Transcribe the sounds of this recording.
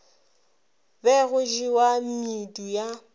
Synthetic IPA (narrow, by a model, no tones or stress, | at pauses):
bɛɣʊʒiwam̩miduja